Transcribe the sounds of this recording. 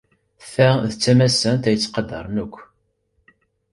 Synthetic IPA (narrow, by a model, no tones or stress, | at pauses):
θæðt͡sːæmæsænt̪æjət͡sːqɑd̪ɑ̰ɾˤnukʷː